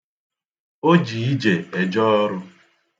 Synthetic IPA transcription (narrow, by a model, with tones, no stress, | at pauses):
o˦d͡ʒi˨i˦d͡ʒe˨e˨d͡ʒɔ˦ɔ˦ɾʊ˦